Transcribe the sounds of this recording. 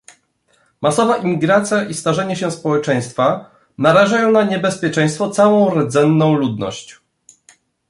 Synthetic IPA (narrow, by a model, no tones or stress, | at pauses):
masɔvaʔimʲiɡɾat̪sʲjaʔist̪aʐɛɲɛɕɛspɔwɛt͡ʂɛj̃st̪fa | naɾaʐajɔ̃w̃naɲɛbɛspʲjɛt͡ʂɛj̃st̪fɔt̪sawɔ̃w̃ɾɛd̪zɛnːɔ̃w̃lud̪nɔ̰ɕt͡ɕ